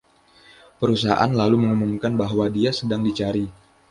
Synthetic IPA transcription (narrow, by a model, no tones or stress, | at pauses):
pəɾus̬aɦa̰ʔa̰nlaluməŋumumkanbaɦwadiasədaŋdit͡ʃaɾi